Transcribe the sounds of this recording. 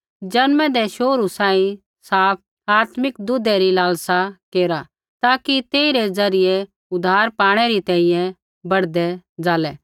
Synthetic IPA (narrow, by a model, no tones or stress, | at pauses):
d͡ʒɐnmɛ̃d̪ɛʃoːɾusãːĩ | saːp̚ʰ | aːt̪mɪkd̪ʊd̪ɛɾilaːlsakeːɾa | t̪aːkit̪eːiɾɛd͡zɐɾɪjɛ | ʊd̪ʱaːɾpaːɽ̃ɛɾit̪ɛ̃ːĩjɛ̃ | bɐɽd̪ɛd͡zaːlɛ